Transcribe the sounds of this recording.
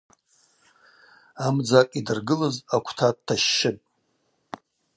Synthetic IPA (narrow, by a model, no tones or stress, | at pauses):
amd͡zakʼidɨrɡɨlɨzakʷʰtʰadtʰːaʃːɪpʼ